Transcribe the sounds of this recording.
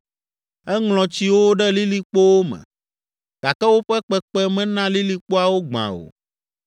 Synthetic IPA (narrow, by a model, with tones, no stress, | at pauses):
ɛ˦ŋlɔ̃˨t͡ɕi˦wo˦ɖɛ˦li˦li˨k͡po˦wo˦mɛ̰̃˨ | ɡ̥a˨kɛ˦wo˦ɸɛ˦k͡pɛ˦k͡pɛ˦mɛ̃˦nã˦li˦li˨k͡po˦a˨wo˦ɡ͡bã̰˨o̰˨